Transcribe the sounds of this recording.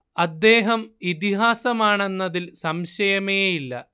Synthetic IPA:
ɐd̪ːe̞ːɦɐmit̪iɦaːsɐmaːɳe̞nːɐðilsɐmɕɐjɐmejeilːɐ̰

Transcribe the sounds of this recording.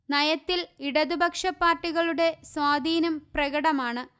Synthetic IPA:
nɐjɐt̪ːiliɽɐðubʱɐkʂɐpːaːrʈːiɣɐɭuɽe̞swaːd̪ʱiːnɐmprɐɣɐɽɐmaːɳɨ

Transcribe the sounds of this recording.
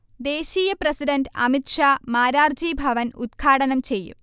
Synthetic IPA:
d̪e̞ːɕiːjɐprɐsiɖɐnɖɐ̰mit̪ʂaːmaːɾaːrd͡ʑibʱɐʋɐnud̪̚ɡʰʱaːɽɐnɐmt͡ɕe̞jːṵ

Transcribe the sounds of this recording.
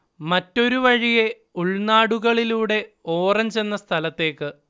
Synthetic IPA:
mɐtːo̞ɾuʋɐɻije̞ | uɭnaːɽuɣɐɭiluːɽe̞o̞ːrɐɲt͡ɕe̞nːɐst̪ʰɐlɐt̪ːe̞ːkːɨ

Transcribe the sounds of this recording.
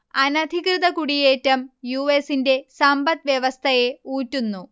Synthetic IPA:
ɐnɐd̪ʱikrɨd̪ɐkuɽije̞ːtːɐmjuesinde̞sɐmbɐt̪ʋjeʋɐst̪ʰɐjeuːtːunːu

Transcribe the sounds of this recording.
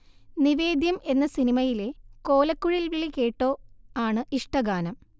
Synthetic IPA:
niʋe̞ːd̪jɐme̞nːɐsinimɐjileko̞ːlɐkːuɻilʋiɭːike̞ːʈːo̞ːaːɳɨʔiʂʈɐɡaːnɐm

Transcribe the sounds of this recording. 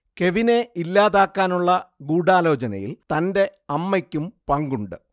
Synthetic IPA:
ke̞ʋine̞ʔilːaːðaːkːaːnuɭːɐɡuːɽaːlo̞ːt͡ɕɐnɐ̰jḭlt̪ɐnde̞ɐmːɐkʲːumpɐŋɡuɳɖɨ

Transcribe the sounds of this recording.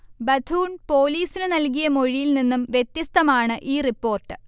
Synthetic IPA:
bɐd̪ʰʱuːɳpo̞ːliːsinɨnɐlk̬ijɐmo̞ɻijilninːumʋjet̪jɐst̪ɐmaːɳɨʔiːripːo̞ːrʈːɨ̥

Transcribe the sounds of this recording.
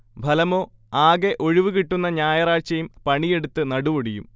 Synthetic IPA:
bʱɐlɐmo̞ː | aːɡe̞ʔo̞ɻiʋukiʈːunːɐɲaːjɐraːt͡ɕɐjumpɐɳije̞ɽut̪ːɨnɐɽuʋoɽijṵm

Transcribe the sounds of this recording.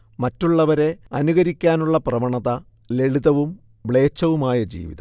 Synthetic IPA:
mɐtːuɭːɐʋɐɾe̞ɐnuɣɐɾikʲːaːnuɭːɐprɐmɐɳɐðɐ | le̞ɭiðɐʋum | bɭe̞ːt͡ɕːɐʋumaːjɐd͡ʑḭːʋḭðɐ̰

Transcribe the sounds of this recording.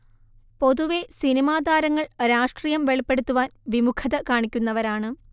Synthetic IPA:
po̞ðuʋe̞sinimaːd̪ʱaːɾɐŋːɐɭɾaːʂʈrijɐmʋe̞ɭipːe̞ɽut̪ːuʋaːnʋimukʰːɐðɐkaːɳikʲːunːɐʋɐɾaːɳɨ

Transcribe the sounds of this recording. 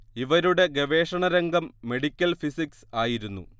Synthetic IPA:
iʋɐɾuɽe̞ɡeʋe̞ːʂɐɳɐɾeŋɡɐmːe̞ɽikʲːɐlfisiksaːjiɾunːṵ

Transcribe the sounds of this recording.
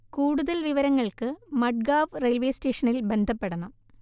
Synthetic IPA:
kuːɽuðɐlʋiʋɐɾɐŋːɐɭkɨmɐɖ̚ɡaːʋrelʋeːste̞ːʂɐnilbe̞nd̪ʱɐpːeɽɐɳɐm

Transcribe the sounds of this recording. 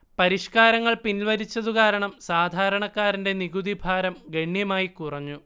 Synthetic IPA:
pɐɾiʂkaːɾɐŋːɐɭpinilʋɐɾit͡ɕːɐðukaːɾɐɳɐmsaːd̪ʱaːɾɐɳɐkːaːɾinde̞niɡuðibʱaːɾɐmɡeɳjɐmaːjikurɐɲːu

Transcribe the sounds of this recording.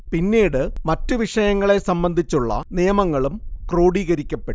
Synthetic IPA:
pinːiːɽɨmɐtːuʋiʂɐjɐŋːɐɭe̞sɐmbɐnd̪ʱit͡ɕːuɭːɐ̰nijɐmɐŋːɐɭumkroːɽiːɣɐɾikʲːɐpːeʈː

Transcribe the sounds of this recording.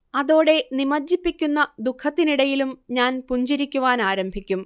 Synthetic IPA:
ɐðo̞ːɽe̞nimɐd͡ʑːipːikʲːunːɐd̪ukʰːɐt̪ːiniɽɐjilumɲaːnpuɲd͡ʑiɾikʲːuʋaːnaːɾɐmbʱikʲːum

